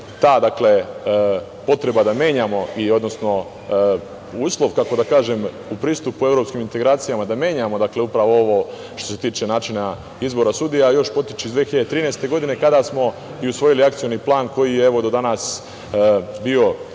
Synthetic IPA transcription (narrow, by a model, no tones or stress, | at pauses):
t̪aːd̪akle̞ | po̞t̪ɾe̞bad̪amje̞ːɲamo̞io̞d̪no̞sno̞ | uːslˠo̞ʋkako̞d̪akaːʒem | upɾiːst̪upue̞vɾo̞pskimint̪e̞ɡɾaːt̪sijamad̪amje̞ːɲamo̞d̪akle̞upɾaʋooʋo̞ | ʃt̪ose̞t̪iːt͡ʃe̞naːt͡ʃina | izbo̞ɾasud̪ijajo̞ʃpo̞t̪i̥t͡ʃiizd̪ʋeçiʎed̪et̪ɾiːnest̪e̞ɡo̞d̪ine̞kad̪asmo̞ | iusʋo̞jiliakt̪sijo̞niːplˠaːnko̞jijeeʋo̞d̪o̞d̪anas | bio̞